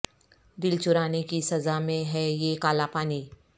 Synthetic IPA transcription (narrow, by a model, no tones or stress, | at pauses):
d̪ɪlt͡ʃʊɾaːnikisɐzamẽɦɛjekaːlapaːniː